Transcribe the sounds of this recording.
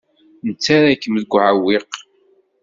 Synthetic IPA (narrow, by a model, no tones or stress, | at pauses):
nət͡sːaɾakːəməðɡʷʕawɪq